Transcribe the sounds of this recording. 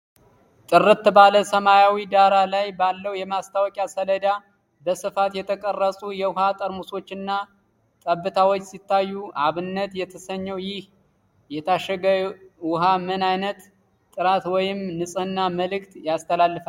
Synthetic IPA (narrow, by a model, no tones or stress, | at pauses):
t̪ʼɨrɨt̪ːbaləsəmajawid̪aɾalajbalːəwjɛmast̪ʰawɔkʼjasələd̪a | bəsɨfat̪jɛt̪ʰəkʼərːəsʼujɛwʊhat̪ʼəɾmuso̞t͡ʃːɪnːa | t̪ʼəbːɨt̪ʰawo̞t͡ʃːsit̪ːajːuʔaβɨnːət̪jɛt̪ʰəsəɲːəwjɪh | jɛt̪ʰaʃəɡəwʊɦamənajnət̪ːʼ | ɨɾat̪wɔjɪmnɨsʼɨnːaməlɨkt̪jast̪ʰəlalːɨfa